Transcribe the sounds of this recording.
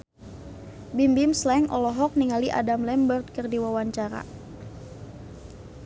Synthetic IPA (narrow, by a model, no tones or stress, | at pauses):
bimbimslɛŋʔɔlɔɦɔk̚niŋaliʔa̰damlɛmbərd̪̚kərdiwawaɲt͡ʃaɾa̰